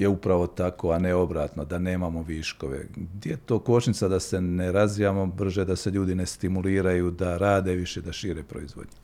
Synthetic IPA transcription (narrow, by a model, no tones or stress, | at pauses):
jeupɾaʋo̞t̪ako̞aneo̞bɾaːt̪no̞d̪ane̞ːmamo̞ʋiːʃko̞ʋe̞̰ɡd̪jejet̪o̞ːko̞t͡ʃnit̪sad̪ase̞neɾazʋijaːmo̞br̩ʒed̪ase̞ʎuːd̪ine̞st̪imuliːɾajuːd̪aɾaːd̪e̞ʋiʃe̞d̪aʃiːɾe̞ːpɾo̞̰izʋo̞̰d̪ɲe